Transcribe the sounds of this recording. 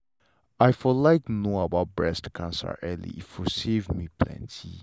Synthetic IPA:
ajfɔlaɪknoabaʊt̚bɹɛstkʰãnsə̰ʔɛlḭifɔsevmipʰlɛ̰̃ntʰi

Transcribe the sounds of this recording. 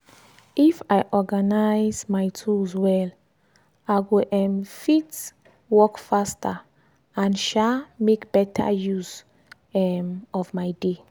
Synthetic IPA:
ifajʔɔɡanajzmajtʰuswɛl | aɪɡoʔɛmfit | wɔkfastʰa | ãnʃamekb̥ɛtʰa̰juz | ɛmɔfmaɪde

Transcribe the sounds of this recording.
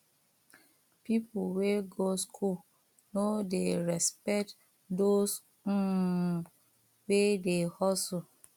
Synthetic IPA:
pipuweɡoskʰu | nodeɹɛspɛkt | dos̩ | wedehɔsu

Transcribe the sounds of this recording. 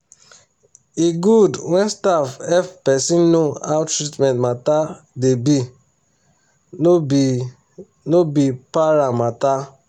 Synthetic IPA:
iɡudwɛ̃nstafɛfpɛsĩnnoawtɹitmɛ̃ntmata | debi | nobipaɹamata

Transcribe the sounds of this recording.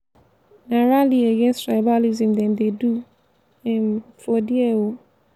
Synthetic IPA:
nãɹalieɡɛ̃nstɹaɪbalizĩmd̪ɛ̃nd̪edu | ɛ̃nfɔdɪɛwo

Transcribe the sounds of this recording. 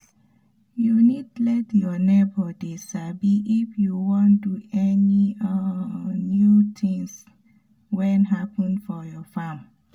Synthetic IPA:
junitdlɛtjɔnebɔdisabiʔifjuwɔ̃nduɛni | njut̪ʰĩŋs | wɛ̃nɦapə̃nfɔjɔfãm

